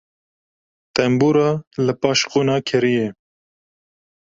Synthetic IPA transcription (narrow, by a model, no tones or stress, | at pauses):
t̪ɛmbuːɾɑːləpɑːʃquːnɑːkʰɛɾije